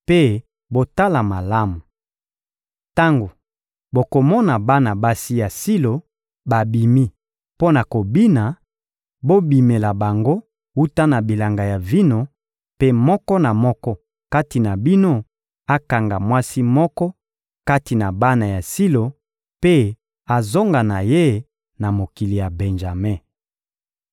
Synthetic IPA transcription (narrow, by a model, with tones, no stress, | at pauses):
pe˦ | bo˦ta˦la˨ma˨la˦mu˨ | ta˦ŋɡo˨ | bo˨ko˨mɔ˦na˨ba˦na˨ba˦si˦ja˨si˦lo˨ | ba˨bi˨mi˦ | po˦na˨ko˨bi˦na˨ | bo˦bi˨me˨la˨ba˨ŋɡo˦ | wu˦ta˦na˨bi˨la˨ŋɡa˨ja˨vi˦no˦ | pe˦mɔ˦kɔ˦na˨mɔ˦kɔ˦ | ka˦ti˨na˨bi˦no˦ | a˦ka˨ŋɡa˨mwa˦si˦mɔ˦kɔ˦ | ka˦ti˨na˨ba˦na˨ja˨si˦lo˨ | pe˦ | a˨zo˦ŋɡa˨na˨je˦ | na˨mo˨ki˨li˨ja˨be˨nʒa˨me˦˨